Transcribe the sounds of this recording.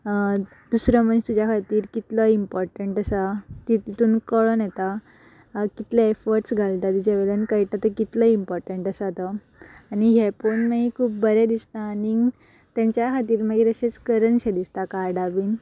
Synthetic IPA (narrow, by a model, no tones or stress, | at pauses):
d̪̥usɾəmənst̪ud͡ʑjakʰat̪iːɾkit̪ləimpɔɾʈəɳʈəsat̪it̪it̪uːnkəɭənjɛt̪a | kit̪leefɔɾʈsɡʱalt̪ad̪id͡ʑeʋɛlənkaiʈ̪at̪əkit̪ləimpɔɾʈəɳʈəsat̪ə | aniɦeponməɡikʰuːp̚bəɾed̪ist̪aːni | t̪jãɲt͡ɕjakʰat̪iːɾməɡet̪əɕet͡skəɾəɳɕed̪ist̪akaɾɖaʋiːn